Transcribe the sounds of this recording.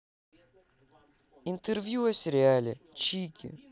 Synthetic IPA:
int̪eɾvjuɛseɾʲealʲɪ | t͡ʃikʰʲɪ̰

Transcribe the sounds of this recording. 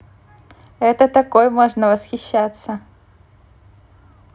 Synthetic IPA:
ɛt̪ət̪ɐkojmoʐnəvəsxʲɪɕːat̪sə

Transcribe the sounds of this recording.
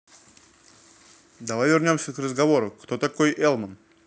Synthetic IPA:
d̪ɐvajvʲɪrnʲo̞msʲəkrəzɡɐvo̞ɾʊkt̪ot̪ɐkojʔɛlˠmən

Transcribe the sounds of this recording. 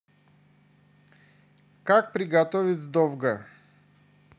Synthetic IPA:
kak̚pɾiɡat̪ɔvit̪zd̪ɔvɡa

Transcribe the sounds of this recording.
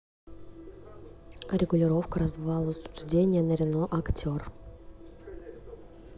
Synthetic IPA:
ɾʲɪɡʊlʲɪɾo̞fkəɾɐzvɨvɑlˠʊslʊ̥ʐdʲenʲɪjənəɾʲɪnoʔɐktʲor

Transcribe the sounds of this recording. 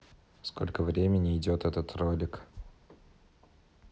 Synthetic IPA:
sko̞̰lʲkəvɾʲemʲɪnʲɪɪdʲo̞t̪ɛt̪ət̪rolʲɪk

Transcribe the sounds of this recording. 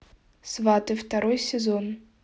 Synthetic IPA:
svat̪ɨwt̪aɾɔjsʲɛzɔn

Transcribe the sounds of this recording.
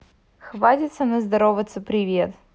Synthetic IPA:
xvat̪ʲɪt̪sənɨzd̪ɐɾovət̪səpɾʲɪvʲet̪

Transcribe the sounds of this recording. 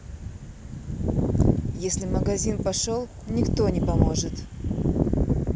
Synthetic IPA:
jesʲlʲɪməɡɐzʲinpɐʂolˠ | nʲɪkt̪o̞nʲɪpɐmo̞ʐɨt̪

